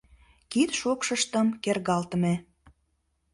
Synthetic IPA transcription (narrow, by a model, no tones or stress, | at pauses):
kit̪ʃokʃəʃt̪ə̆mkerɣɑlt̪əme